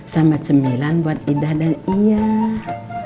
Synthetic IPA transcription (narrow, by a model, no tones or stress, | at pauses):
samat͡ʃəmilanbuat̪̚idahdanija